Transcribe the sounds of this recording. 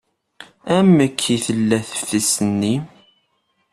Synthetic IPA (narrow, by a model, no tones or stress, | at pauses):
æmːəkʰːiθəlːæθə̥fθisənːi